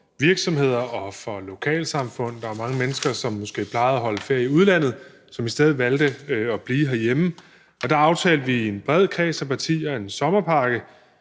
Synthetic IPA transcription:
ʋiɐɡ̥sɒ̽mhe̝ð̞̰ˠɐʔɒ̽fɒ̽lo̝kʰɛ̰ːlsɑ̈mfɔ̽n̰d̥ɑɐmɑ̈ŋəmenəsɡ̥ɐsɒ̽mːosɡ̥e̝̰ːpʰlɑ̈ɪð̩ˠæɦɒ̽ləfeɐ̰iuð̞ˠlæn̰ð̩ˠ | sɒ̽misd̥eð̞̰ˠʋæld̥əɒb̥liːɦæɐjemə | ɒ̽d̥ɑ̈ɑ̈ʊt͡sʰɛ̰ːld̥ʋie̝nb̥ʁɛð̞̰ˠkʰɛːsæpʰɑ̈t͡sʰḭːɒe̝nsɒ̽mɐpʰɑ̈ɡ̥ə

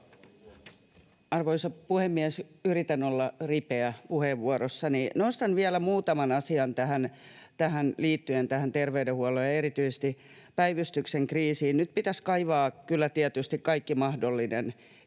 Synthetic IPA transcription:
ɑrʋoisɑpuhemːiɛsyrit̪ænolːɑripeæpuheːʋːuoɾosːɑninost̪ɑnʋiælæmuːt̪ɑmɑnɑsiɑnt̪æhænt̪æhænliːt̪ːyent̪æhænt̪erʋeydehuɔlːˑojɑeɾit̪yise̥st̪i | pæiʋyst̪ykseŋkriːsiːnnyt̪̚pit̪æskɑiʋɑːkylːæt̪iɛt̪yst̪ikkɑikːimɑhdolːinen

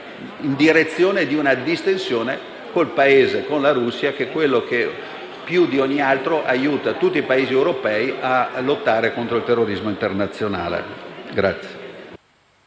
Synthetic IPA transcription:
ind̪iɾet̪sːjoːned̪iunad̪ist̪ensjoːne | kolpaeːzekonlaɾusːiakekwelːoke | pjud̪iɔɲːialt̪ɾoʔajuːt̪at̪ut̪ːipaeːziewɾopɛːiʔalot̪ːaːɾekont̪ɾoilt̪erːoɾizmoint̪ernat̪sːjona̰ːlḛɡɾat̪sje

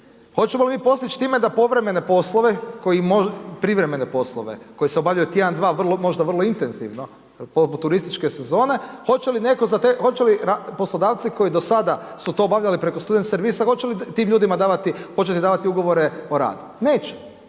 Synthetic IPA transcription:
xo̞t͡ɕemolimiːpo̞st̪it͡ʃt̪iːme̞d̪apo̞ʋɾe̞me̞ne̞po̞slˠoʋeko̞imopɾiʋɾeme̞ne̞po̞slˠo̰ʋḛko̞jiseobaːʋʎajut̪jed̪and̪ʋaːʋr̩lˠomo̞ʒd̪aʋər̩lˠoint̪enzḭʋno̞ | poput̪ːuɾist̪it͡ʃke̞se̞zo̞ːne̞xo̞t͡ʃeline̞ko̞zat̪exo̞t͡ʃeliɾaposlˠod̪aːʋt̪siko̞id̪o̞sad̪asut̪o̞ːbaʋʎalipɾe̞kost̪ud̪ent̪seɾʋiːsaxo̞t͡ʃelit̪iːmʎuːd̪imad̪aːʋat̪ipo̞t͡ʃe̞t̪id̪aːʋat̪iuɡo̞ʋo̞ɾeo̞ɾa̰ːd̪une̞ːt͡ɕe̥

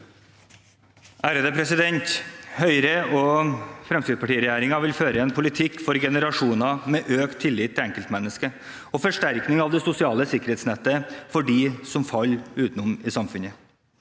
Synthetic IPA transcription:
ʔæːɾəd̪eːpʰɾɛsɪd̪ɛnt̪hœʏɾəɔfɾɛmst̪ɾɪd̪pʰɑʈiːəɾɛjæːɾɪŋɑʋɪlføːɾəɛnpʰʊlɪt̪ʰɪkːfɔɾɡɛnəɾɑʂuːnɑmɛʔøːkt̪ʰːɪlːɪt̪ʰːɪlɛŋkəlt̪mɛnːəskə | ɔfɔʂʈæɾknɪŋɑʋd̪ɛsʊsɪɑːləsɪkəɾheːt̪snɛt̪ːəfɔɖɪsɔmfɑlːʉːt̪n̩ɔmɪsɑmfʉnə

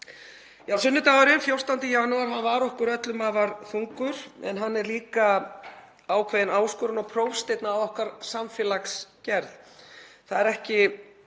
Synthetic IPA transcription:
jaːwsʏnːʏt̪aːɣaɾɪnfjow̥st̪ant̪ɪjaːnuaɾɦanvaɾɔhkʏɾœt̪lʏmavaɾ̥θuŋkʏɾ̥ɛ̰nɦanːɛɾliːka | aːwkʰvejðɪnaːwskɔɾʏnɔɣpʰɾowfst̪ejt̪naːwɔhkaɾ̥samfjɛːlakscɛɾðθaðɛɾɛhcɪ

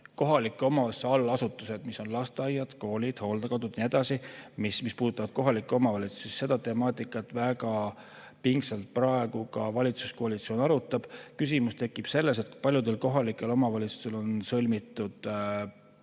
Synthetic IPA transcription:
ko̞ɦɑlikːˑeo̞mɑsɑlːɑsut̪ːˑuse̞d̪̥miso̞nlɑst̪ɑjːɑd̪̥ko̞ːlid̪̥ho̞ːld̪̥ɑkot̪ːud̪̥nie̞d̪̥ɑsimismispuːd̪ut̪ːˑɑvɑd̪̥̚ko̞ɦɑlikːˑeo̞mɑvɑlʲit̪su̥sesːe̞d̪ɑt̪e̞mɑːt̪ːˑikːˑɑt̪ˑvæɡɑ | piŋɡsɑlt̪̚prɑe̞ɡ̥ukɑvɑlʲit̪su̥skoɑlit̪sio̞ːnɑɾut̪ːˑɑb̥kys̬imust̪e̞kːˑib̥se̞lːe̞s̬e̞t̪̚ku̥pɑlʲjud̪e̞lko̞ɦɑlikːˑe̞lo̞mɑvɑlʲit̪su̥st̪e̞lo̞nsɤlʲmit̪ːˑud̪̥

